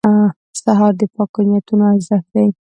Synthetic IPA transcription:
saɦɑɾd̪əpɑkanjat̪unoaɪzafd̪aj

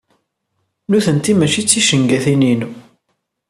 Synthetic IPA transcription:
nuθənt̪imæt͡ʃit͡sːiʃəŋɡæθinin

